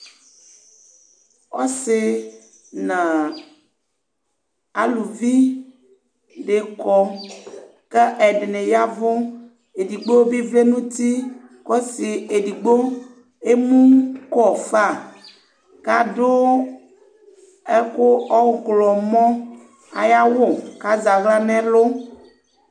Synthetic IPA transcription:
ɔ˦se˨ | nã˨ | a˨lu˨vi˦ | ɖe˨kɔ˦ | kɛ˦ʔɛ˨ɖe˨nẽ˨ja˦vo˦ | e˨di˨ɡ͡bo˦vi˦vle˦nũ˦t̪i˦ | kɔ˦si˨e˨di˨ɡ͡bo˦ | e˦mũ˦kɔ˦˨fa˦˨ | ka˦do˦ | ɛ˦kʊ˦ɔ˦wklɔ˨mɔ̃˦ | a̰˨ja˦wo˦ka˦za˨ɣla˦nɛ̃˦lo˦

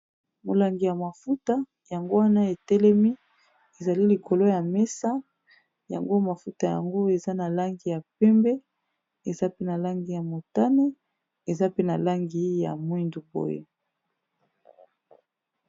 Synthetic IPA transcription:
mo˨la˨ŋɡi˨ja˨ma˨fu˦ta˦ | ja˨ŋɡo˦wa˦na˦e˨tɛ˦lɛ˦mi˦ | e˨za˨li˦li˨ko˨lo˦ja˨mɛ˦sa˦ | ja̰˨ŋɡo˦ma˨fu˦ta˨ja̰˨ŋɡo˦e˨za˦na˨la˦ŋɡi˨ja˨pɛ˦mbɛ˦ | e˨za˦pe˦na˨la˦ŋɡi˨ja˨mo˨ta˦ne˦ | e˨za˦pe˦na˨la˦ŋɡi˨˦ja̰˨mwi˦ndu˨bo̰˦jḛ˨

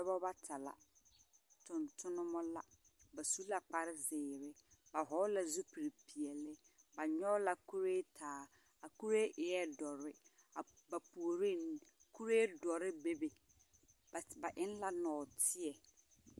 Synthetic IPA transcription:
ɛ˦bɔ˦ba˦tʰa˨la̰˨ | tʊ˨ntʰʊ˦nʊ˦mɔ˦la˦ | ba˨su˦la˨k͡pa˦ɾɪ˦zɪː˨ɾɪ˦ba˨ɦɔ˨˦la˨zu˦pi˨ɾi˨pi˨ɛ˨lːɪ˦ | ba˨ɲɔ˦la˨ku˦ɾe˦tʰaː˨˦ | a˨ku˦ɾe˦ʔɪ˨ɛ˦dɔ˨ɾɪ˦ | a˨ba˨pu˨o˨ɾi˦n˨ku˦ɾeː˦dɔ˨ɾɪ˦be˦be˨ | ba˨ʔɪ˦n˦la˦nɔː˨tʰɪ˦ɛ˨

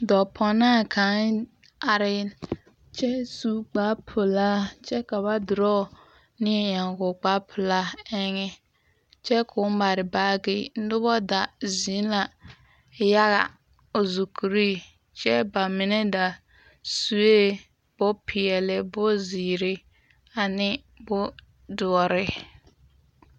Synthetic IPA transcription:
dɔ˨pʰɔ˨naː˦˨kʰa˨˦ | a˨ɾɪ˦ | t͡ʃɛ˦su˦k͡pa˨˦pʰʊ˨la˦t͡ʃɛ˦ka˨ba˦dʊ˨ɾɔ˦ | nɪ˦ɛ˦ɲa˨ŋɡʊ˨k͡pa˦pʰʊ˨la˦ɛ˦ŋɪ˦ | t͡ʃɛ˦kʰʊ˨˦m˦ba˨ɾɪ˨baː˦ɡɪ˦˨n̩˦dʊ˦bɔ˦da˨zi˨˦la˨ | ja˦ɣa̰˨ | o˨zu˨kʰu˨ɾi˦ | t͡ʃɛ˦ba˨mɪ˨nɛ˦da˨ | su˨e˦ | b̥ʊ˦pʰɪ˨ɛ˨lɪ˨bʊ˦ziː˨ɾɪ˦ | a˨nɪ˦ | bʊ˦ | dʊ˨ɔ˨ɾɪ˦

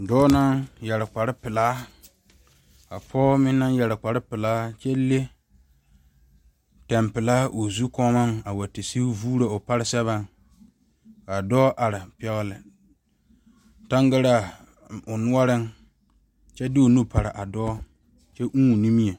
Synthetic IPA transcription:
dɔː˦na˦ŋjɛ˨ɾɪ˨k͡pa˨ɾɪ˦pɪ˨laː˦ | ka˨pʰɔː˦mɪ˦nːa˦njɛ˨ɾɪ˨k͡pa˨ɾɪ˦pɪ˨laː˦t͡ʃɛ˦le˦ | tɛ˨mpɪ˨laː˦ʔo˨zu˦kɔ˦ma˦ŋa˨wa˨tɪ˨si˦vuː˦ɾa˨ʊ˨pa˦ɾɪ˦sɛ˦βa˦ŋ | ka˨dɔː˦ʔa˨ɾɪ˨pɛ˦ɣɪ˦lɪ˨ | ta˦ŋɡa˦ɾa˦˨ | ʊ˨nʊ˦a˦ɾɪ˦ŋ | t͡ʃɛ˦dɪ˦o˨nu˦pʰa˨ɾɪ˨ʔa˨dɔː˦ | t͡ʃɛ˦ʔũ˦˨ni˦mi˦e˨

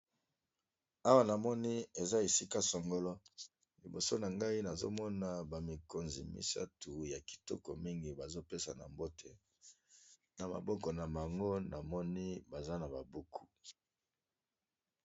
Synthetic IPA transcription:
a˦wa˦na˨mɔ˦ni˦e˨za˦e˨si˦ka˦sɔ˨ŋɡo˦lɔ˦ | li˨bo˨so˦na˨ŋɡa˦i˦na˨zo̰˦mɔ˦na˨ba˨mi˨ko˨nzḭ˨mḭ˨sa̰˦tu˨ja˨ki̥˨tɔ̰˦kɔ˨mi˦ŋɡi˨ba˨zo˦pe˦sa˨na̰˨mbo˦te˨ | na˨ma̰˨bɔ˦kɔ˨na˨ma˨ŋɡo˦na˨mɔ˦ni˦ba˨za˦na˨ba˨bu˦kʰu˦

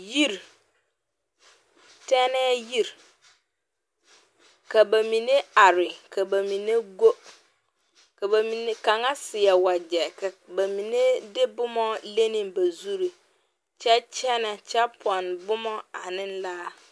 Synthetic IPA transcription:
ji˦˨ɾ | tɛ˦nɛ˦ji˦ɾ | ka˨ba˨mi˨ne˦a˨ɾɪ˨kʰa˨ba˨mi˨ne˦ɡo˦ | ka˨ba˨mi˨ne˦ka˨ŋa˦sɪ˨ɛ˨wa˨d͡ʒɛ˨ka˨ba˨mi˨ne˦dɪ˦bʊ˦mɔ˦le˦ni˨mba˨zu˦ɾi˨ | t͡ʃɛ˦t͡ʃɛ˦nɛ˨t͡ʃɛ˦pʰɔ˨nbʊ˦mɔ˦a˨nɪ˦n˦laː˦

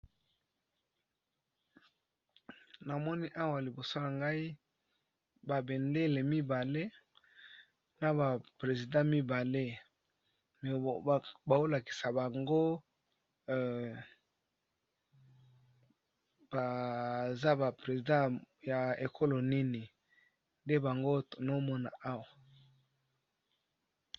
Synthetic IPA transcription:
na˨mɔ˦ni˦ʔa˦wa˨li˨bo˨so˦na˨ŋɡa˦i˦ | ba˨be˨nde˦le˨mi˦ba˨le˦ | na˨ba˨pʁe˨zi˨dã˦mi˦ba˨le˦ | m˨ba˨o˦la˨ki̥˨sa˨ba˨ŋɡo˦˨ | ba˨za˦ba˨pʁe˨zi˨dã˦ja˨e˨kʰo˦lo˨ni˦ni˨ | nde˦ba˨ŋɡo˦no˦mɔ˦na̰˨ʔa˦wa˨

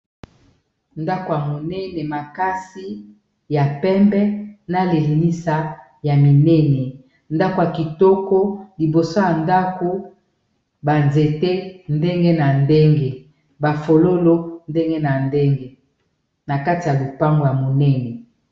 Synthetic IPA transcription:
nda˦ko˨ja˨mo˨nɛ˦nɛ˨ma˨ka˦si˦ | ja˨pɛ˦mbɛ˦na˦le˨li˨ni˦sa˨ | ja˨mi˨nɛ˦nɛ˨ | nda˦ko˨ja˨ki˨tɔ˦kɔ˦li˨bo˨so˦ja˨nda˦ko˦ | ba˨nze˨te˦nde˦ŋɡe˦na˨nde˦ŋɡe˨ | ba˨fo˨lo˦lo˦nde˦ŋɡe˦na˨nde˦ŋɡe˦ | na˨ka˦ti˨ja˨lo˨pa˦ŋɡo˨ja˨mo˨nɛ˦nɛ˨

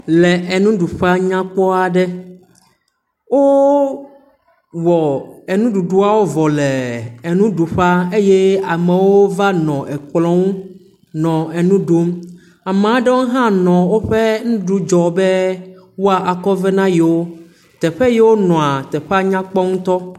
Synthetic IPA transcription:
lɛ˨ʔe˨nũ˦ɖu˨ɸa˦ɲã˦k͡pɔ˦a˨ɖɛ˦ | wo˦ | wɔ˨ɛ˨nũ˦ɖu˨ɖu˦a˦wo˦vɔ˨lɛ˨e˨nũ˦ɖu˨ɸa˦e˦jɛ˦a˨mɛ̃˨wo˦va˦nɔ̃˨ʔɛ˨k͡plɔ̃˦ŋũ˦ | nɔ̃˨e˨nũ˦ɖo˦m | a˨mẽ˨a˨ɖɛ˦wo˦ɦã˦nɔ̃˨wo˦ɸɛ˦ŋũ˦ɖu˦d͡ʒɔ˨bɛ˦ | wo˦a˨ʔa˨kɔ˦vɛ˦nã˦ji˨wo˦ | t̪ɛ˨ɸɛ˦jɛ˦wo˦nɔ̃˨a˨t̪ɛ˨ɸa˦ɲã˦k͡pɔ˦ŋũ˦t̪ɔ˦

